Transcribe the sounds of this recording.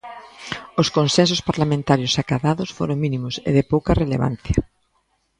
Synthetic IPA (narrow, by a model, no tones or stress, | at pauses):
oskonsensospaɾlamẽnt̪aɾjʊsakaðaðʊsfo̰ɾoŋminimʊsḛðɪpowkɐreleβa̰n̟θjɐ